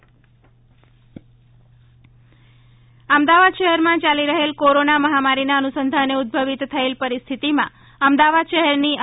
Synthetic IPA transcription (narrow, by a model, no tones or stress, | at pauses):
əmd̪aʋad̪ʃəɦɛɾmãt͡ʃaliɾəɦelkoɾonaməɦamaɾinaənusənd̪ʱaneʊd̪̚bʱəʋit̪t̪ʰːəelpəɾist̪ʰit̪imã̰ | əmd̪aʋad̪ʃəɦɛɾni